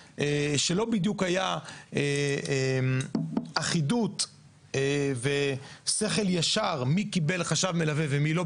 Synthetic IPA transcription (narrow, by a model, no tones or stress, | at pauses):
eʃe̞lo̞bid̪jukhajae | maχidut̪ | evese̞χe̞ljaʃaʁmikibelχaʃavmelavevemilo̞